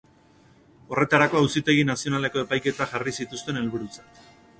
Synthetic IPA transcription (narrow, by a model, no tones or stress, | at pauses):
o̞re̞t̪aɾako̞ausit̪e̞ɣ̞inasio̞nale̞ko̞e̞pajke̞t̪aʝarisit̪ust̪e̞ne̞lβuɾut͡sḁ